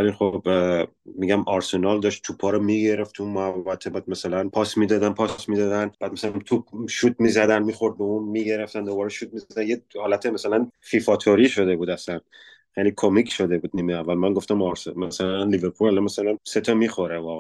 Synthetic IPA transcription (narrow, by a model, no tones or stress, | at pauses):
væliχob | miɟæmɒɾsenɒld̪ɒʃtt̪ʰupʰːɒːɾɒmiɡe̞ɾeft̪ʰuumævvæt̪ʰebæd̪̚masælænpʰɒːsmiːd̪ɒːd̪ænpʰɒsmid̪ɒd̪ænbæːd̪masælæmt̪ʰupʃut̪̚mizæd̪ænmiːxo̞ɾd̪̚beunmiːɡe̞ɾeft̪ænd̪obɒːɾeʃut̪̚mizd̪ænjehɒːlæt̪ʰemasælænfifɒt̪ʰoɾiʃo̞d̪e̞buːd̪æslæn | χelikʰomikʰʃo̞d̪ebuːd̪̚niːmeævːælmænŋɡo̞ft̪æmɒɾsmasælænliveɾpʰulælɒmasælænset̪ʰɒmixo̞ɾevɒːɣe